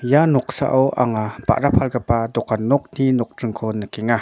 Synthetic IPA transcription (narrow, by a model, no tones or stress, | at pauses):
janɔk̚sa̰ʔɔwʔa̰ŋapa̰ʔrapʰalkapad̪ɔkanɔk̚n̥inɔk̚trɯŋkʰɔnakɛŋa